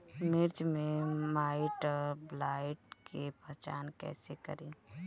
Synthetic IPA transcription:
mɪɾt͡ʃmẽmaːɪʈblaːɪʈkepət͡ʃa̰ːnkɛ̰ːsekə̰ɾĩː

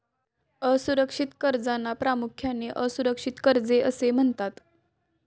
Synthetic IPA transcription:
əsuɾəkʂit̪kəɾd͡zanːapɾamukʰjaneʔəsuɾəkʂit̪kəɾd͡zeʔəsem̤əɳt̪at̪

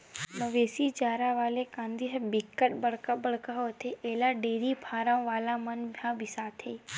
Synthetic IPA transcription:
məʋeːsid͡ʒaːɾaʋaːlekãːnd̪iɦbɪkːəʈ̚bəɽkabəɽ̤kaɦoːt̪ʰeʔeːlaɖeːɾipʰaːɾãʋaːlamənbʱjãbʱisaːt̪ʰeː

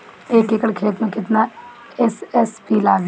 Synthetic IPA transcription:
eːkeːkəɽkʰeːt̪mẽkɪt̪na | ɛsɛspilaːɡ

